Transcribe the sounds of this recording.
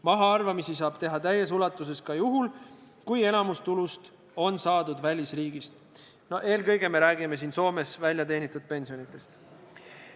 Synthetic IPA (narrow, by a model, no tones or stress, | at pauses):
mɑɦɑɑrvɑmisisɑːb̥t̪e̞ɦɑt̪æjes̬ulɑt̪ːˑuse̞skɑjuɦul | kuje̞nɑmust̪ulust̪ | o̞nsɑːd̪ud̪vælʲisriːɡist̪ | noe̞ːlkɤjɡe̞me̞ɾæːɡ̥ime̞siːnso̞ːme̞svælʲjɑt̪e̞ːnit̪ːˑud̪̥̚pe̞nʲsionit̪ːˑe̞st̪